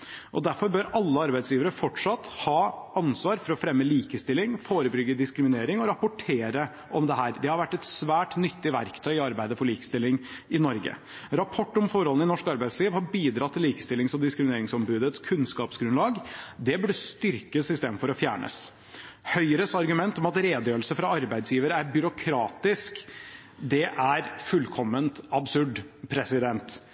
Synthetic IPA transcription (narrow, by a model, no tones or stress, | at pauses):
ʔɔ̰d̪æɾfɔɾbœɾɑlːəɑɾbæɪsjiːʋəɾəfɔʈʂɑt̪ːhɑːʔɑnsʋɑːɾfɔɾɔfɾɛmːəliːkəst̪ɪlːɪŋfoːɾəbɾʏɡːəd̪ɪskɾɪmɪneːɾɪŋɔɾɑpʊʈʰeːɾə | ʔɔmd̪ɛɦæːɾd̪ɛhɑɾʋæʈːɛt̪sʋæːʈnʏt̪ːɪʋæ̰ɾkt̪ʰœʏɪɑɾbæɪd̪əfɔɭiːkə̥st̪ɪlːɪŋɪnɔɾɡə̰ | ɾɑpʰɔʈːɔmfɔɾɔln̩ɪnɔʂkɑɾbæɪsliːʋhɑɾbiːd̪ɾɑt̪ʰːɪliːkə̥st̪ɪlɪŋsɔd̪ɪskɾɪmɪneːɾɪŋsɔmbʉːd̪ət̪skʰʉnskɑːpsɡɾʉnlɑːɡd̪ɛb̪ɪst̪ʏɾkəsɪst̪ɛd̪n̩fɔɾɔfjæ̰ːɳə̰s | hœʏɾəsɑɾɡʉmɛnt̪ɔmɑt̪ɾeːd̪jøːɾəlsəfɾɑɑɾbæɪd̪sjiːʋəɾəæɾbʏɾʊkʰɾɑːt̪ɪsk | d̪ɛʔæɾfʉlkʰɔmːənt̪ɑbsʉɖpʰɾɛsɪd̪ɛnt̪